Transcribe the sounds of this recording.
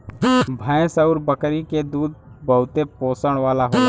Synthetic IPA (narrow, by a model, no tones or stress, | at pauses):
bʱaẽsəʊɾbəkɾiked̪uːd̪̚bəɦʊt̪epoːsəɽ̃ʋaːlaɦoː